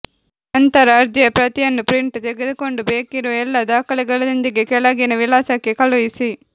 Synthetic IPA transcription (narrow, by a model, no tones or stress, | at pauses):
ɐnt̪ɐɾaːɾd͡ʒjɐpɾɐt̪ijɐnːupɾɪɳʈut̪ɛɡɛðɯkoɳɖubeːkɪɾuɛlːad̪aːkɐɭɛɡɐɭɐnɪnd̪iɡekɛlaːɡinɐʋɪlaːsakːekɐlɐʋisi